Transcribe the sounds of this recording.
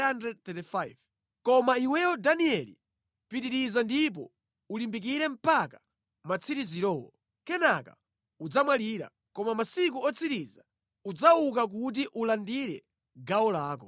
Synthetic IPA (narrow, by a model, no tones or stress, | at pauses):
andɾɛd̚t̪ɛtifajv | kɔmaiwɛwɔdaniɛlḭ | piɾiɾizandip̬ɔ̰ | ulimbik̬iɾɛm̩pakḁ | mat͡sʰiɾiziɾɔːwɔ̰ | kɛnaka̰ | ud͡zamwaliːɾa̰ | kɔmamasik̬uɔt͡sʰiɾiza | ud͡zaukak̬ut̬iʔulandiɾɛ̰ | ɡawɔlaːkɔ̰